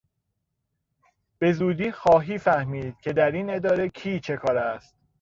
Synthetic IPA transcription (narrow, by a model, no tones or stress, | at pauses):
b̥e̞zuːd̪iːxɒːɦiːfæhmiːd̪̥̚cʲʰe̞d̪æɾine̞d̪ɒːɾe̞cʰiːt͡ʃʰe̞kʰɒːɾæst̪̚